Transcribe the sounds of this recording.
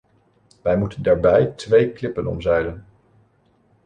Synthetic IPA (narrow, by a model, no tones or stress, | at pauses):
ʋɛjmutəndaːɹbɛjtʋejklɪpənɔ̰mzɛjdən